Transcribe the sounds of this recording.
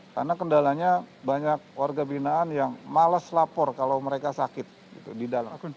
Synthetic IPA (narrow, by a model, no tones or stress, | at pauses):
ka̰rnakəndalaɲabaɲak̚warɡabinaːnjaŋmaləslapɔrkalawməɾekasakɪt̪̚ɡit̪udidala